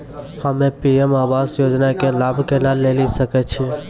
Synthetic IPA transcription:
həmepiemabasjod͡ʒnakelabʱkenalelisəkɛt͡ʃʰi

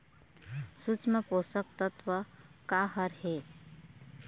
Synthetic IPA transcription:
sut͡ʃmeposək̚t̪ət̪ʋəkaɦəɾɦe

